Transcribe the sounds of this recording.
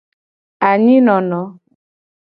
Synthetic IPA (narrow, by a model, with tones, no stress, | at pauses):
a˨ɲi˦nɔ˨nɔ˨˦